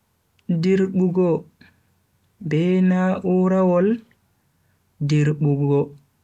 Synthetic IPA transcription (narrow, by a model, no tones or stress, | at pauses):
diɾɓuɡɔ | bɛnaːʔuɾawɔl | diɾɓuɡɔ